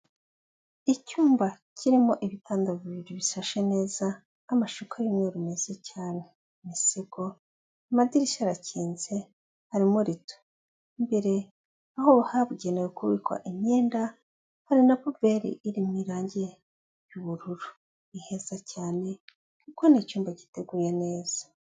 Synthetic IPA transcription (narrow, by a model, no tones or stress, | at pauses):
icuːmbacʰiɾimo̞ʔiβitʰaːndaviβiɾiβiʃaʃene̞ːzaː | maʃukʰajumweɾume̞z̥ecaːne̞ | misiɡo̞ | amadiɾiʃaɾaciːnze̞ | haɾimoɾito̥ | imbeɾe̞ | ahoβahaβuɟenejokuβikwa̰ʔiɲeːnda | haɾinapove̞ɾḭʔiɾimiɾaːɲɟe̞ | juβuɾuɾu | ihe̞zacaːne̞ | kuko̞nicuːmbaci̥te̞ɡuːjene̞ːz̥ḁ